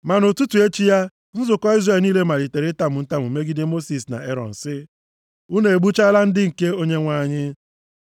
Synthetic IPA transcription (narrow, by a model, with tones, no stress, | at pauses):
ma˨nʊ˨tu˦tu˨e˦t͡ʃi˦ja˦ | n̩˦zʊ˨kɔ˦i˦zre˨niː˦le˦ma˨li˨te˨ɾɪ˦ta˦mʊ˨n̩˦ta˦˨mu˨me˦ɡi˦dɪ˦mo˦si˨sna̰˨e˦ɾɔ̰˨n̩˨sɪ˦ | u˦ne˨e˨ɡ͡bu˦t͡ʃa˦la˦n̩˦dɪ˦ŋ̩˨ke˦o˦ɲe˦ŋʷa˦˨ɲɪ˦